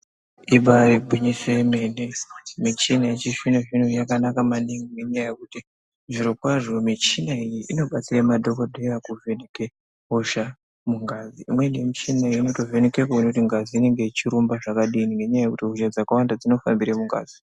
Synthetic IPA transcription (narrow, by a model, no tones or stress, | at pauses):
iɓaribʱiɲisoeme̞nemit͡ʃinait͡ʃiʂinoʐinojakanakamaniŋiŋɡe̞ɲajajekuti | ʐiɾokwaʐo̞mit͡ʃinaijiʔino̞ɓat͡siramadʱo̞kodʱejakuve̞neke | ɦoʃa | muŋɡaziimwe̞nemit͡ʃinaiino̞to̞ve̞nekekounekutiŋɡaziːne̞ŋɡe̞it͡ʃiɾumbaʐakaɗiːniŋɡe̞ɲajajekutiɦoʃad͡zakawandad͡zino̞fa̰mbiɾemuŋɡa̰ːzi